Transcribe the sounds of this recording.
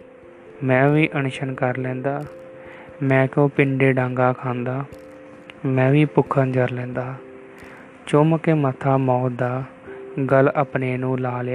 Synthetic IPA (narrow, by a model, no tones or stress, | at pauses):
mɛ̃ːʋiːʔənʃənkəɾlɛ̃ːnd̪aː | mɛ̃ːkõːpɪɳɖeːɖãːŋɡaːkʰãːnd̪aː | mɛ̃ːʋiːpʊkʰənd͡ʒəɾlɛ̃ːnd̪aː | t͡ʃoːməkeːmət̪ʰaːmɔːt̪̚d̪aː | ɡələpneːnũːlaːljaː